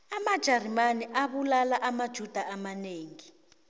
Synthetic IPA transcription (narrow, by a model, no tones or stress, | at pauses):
amad̥ʒ̥ʱarimaniʔaɓulalaʔamad̥ʒ̥ʱud̥ʱaʔamaneːŋi